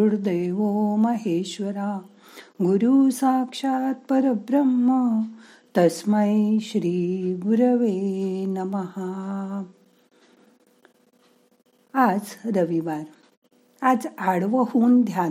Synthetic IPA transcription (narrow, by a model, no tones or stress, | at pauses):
uɽd̪eʋoməɦeːɕʋəɾa | ɡuɾusãkʂat̪̚pɐɾəbɾɐmːə | t̪ɐsməjɕɾiːɡɾəʋenɐməha | ad͡zɾəʋiʋaɾ | ad͡zaɽʋəɦuːnd̪ʱja